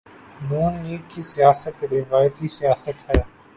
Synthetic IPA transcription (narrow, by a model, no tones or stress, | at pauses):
nuːnliːɡkisɪjaːsət̪ɾɪʋaːjət̪isijaːsət̪ɦɐjaː